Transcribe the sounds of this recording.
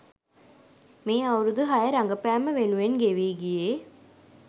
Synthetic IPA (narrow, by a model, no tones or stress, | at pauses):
miːɐwɾud̪uɦɐjɐɾɐŋɡɐpæːməʋenuʋenɡeʋiːɡijeː